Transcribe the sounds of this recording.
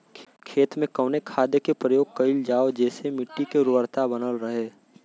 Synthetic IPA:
kʰeːt̪mẽkəːnekʰaːd̪ekepɾəjoːɡ̚kəɪld͡ʒaːod͡ʒɛːsemɪʈːikeɾʊəɾt̪abənəlɾəɦeː

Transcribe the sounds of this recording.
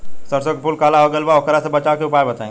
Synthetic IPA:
sɐɾsõkepuːlkaːlaɦoɡelbaokəɾasebɐt͡ʃaːkeʊpaːɾbɐt̪aḛ̃

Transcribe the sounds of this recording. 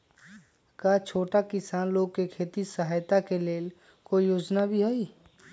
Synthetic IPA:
kaːt͡ʃʰoːʈakɪsaːnloːɡ̚kekʰeːt̪isəɦaːjt̪akeleːl | koijoːd͡ʒnabʱiɦoiː

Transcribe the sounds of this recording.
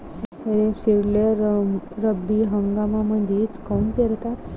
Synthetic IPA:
t̪əɾesiɽleɾɾəbːiɦəŋɡamaməd̪ʱit͡skaunpeɾt̪at̪

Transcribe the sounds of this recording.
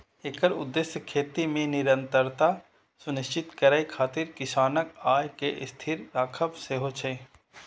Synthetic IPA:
eːkəɾʊ̰d̪ːesjəkʰeːt̪imẽnɪɾə̃nt̪əɾt̪a | sʊnɪʃt͡ʃɪt̪kəɾajkʰaːt̪ɪɾkɪʃaːnəkaːjkeʔɪst̪ʰɪɾɾaːkʰəpseɦot͡ʃʰe

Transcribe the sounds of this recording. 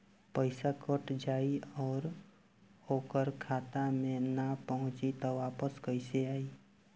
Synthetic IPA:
pəɪsakəʈd͡ʒaːiɔːɾ | oːkəɾkʰaːt̪amẽnapəɦʊ̃t͡ʃit̪ɔʋaːpəskəɪseaːi

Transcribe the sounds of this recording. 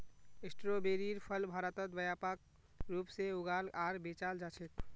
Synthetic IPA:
esʈɾobeɾiɾpʰəlbʱaɾət̪ət̪̚bəjapak̚ | ɾupseuɡalaɾbet͡ʃald͡ʒat͡ʃʰɛt̪̚

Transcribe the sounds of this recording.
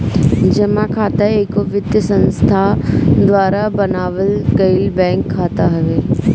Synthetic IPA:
d͡ʒɐmãkʰaːt̪aekoʋɪd̪jəsə̃nst̪ʰad̪ʋaːɾabɐnaːʋəlkɐɪlbɛ̃ːŋkʰːaːt̪aɦɐʋeː

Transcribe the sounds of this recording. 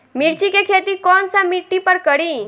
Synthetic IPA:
miɽt͡ʃikekʰet̪ikɔnsamiʈːipəɾkəɽĩ

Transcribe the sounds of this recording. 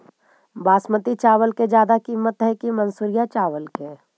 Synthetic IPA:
baːsmət̪it͡ʃaːʋəlked͡ʒjaːd̪akiːmːət̪ɦɛkimənsuːɾijat͡ʃaːʋəlkeː

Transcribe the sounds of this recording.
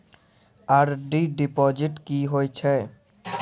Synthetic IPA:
aɾɖiɖipɔd͡ʒiʈkiɦoet͡ʃʰe

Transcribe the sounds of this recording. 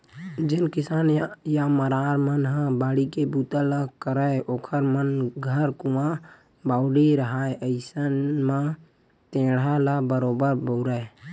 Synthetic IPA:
d͡ʒɪnkɪsaːnjaməɾaɾmənɦãbaːɽikebut̪ələkəɾəeoːkʰəɾmənɡʱəɾkuã | baːʊɽiɾəɦaeʔəɪsənmã | t̪ẽːɽaləbəɾoːbəɾbəʊɾəj

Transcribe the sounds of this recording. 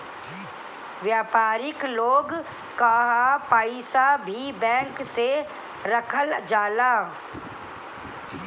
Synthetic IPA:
ʋjaːpaːɾɪkloːɡ | kaɦapaːɪsabʱibɛ̃ːŋkse | ɾəkʰəld͡ʒaːlaː

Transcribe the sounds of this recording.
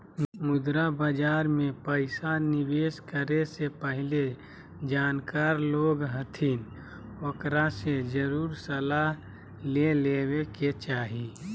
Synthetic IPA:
mʊd̪ɾabəd͡ʒaːɾmẽpəɪsanɪʋeːskəɾesepəɦɪle | d͡ʒaːnkaːɾloːɡɦət̪ʰin | okɾased͡ʒəɾuːɾsəlaɦ | leleːweket͡ʃaːɦi

